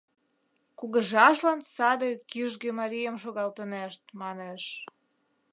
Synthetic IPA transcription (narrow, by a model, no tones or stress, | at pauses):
kuɣə̆ʒɑʃlɑnsɑd̪ekyʒɣĕmɑɾijəmʃ̬oɣɑlt̪ənæʃt̪̚mɑneʃ